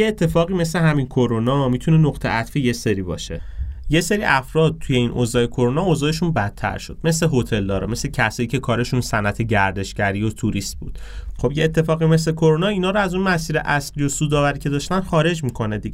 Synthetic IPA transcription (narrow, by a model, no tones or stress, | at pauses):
jeet̪ʰːe̞fɒːɣime̞sleɦæminkʰo̞ɾonɒmit̪ʰune̞noɣt̪ʰe̞̰ʔæt̪fije̞seɾiːbɒ̰ːʃe̞̰je̞se̞ɾiʔæfɾɒːd̪̚t̪ʰuje̞inʔozɒːjekʰoɾonɒozɒːeʃunbæt̪ʰːæ̰ɾʃo̞̰d̪̥me̞sle̞ɦo̞t̪ʰe̞ld̪ɒːɾɒme̞slecʰæsɒːjiːcʰe̞kʰɒːɾe̞ʃunsænæt̪ʰe̞ɟæɾd̪e̞ʃɡæɾiot̪ʰuɾist̪̚bṵːd̪̥χo̞bjeːt̪ʰːe̞fɒːɣime̞s̬le̞kʰo̞ɾonɒːiːnɒːɾoæzunmæsiːɾḛʔæslijo̞suːd̪ɒːvæɾiːcʰe̞d̪ɒːʃt̪ænxɒːɾe̞d͡ʒmikʰo̞ned̪iɡe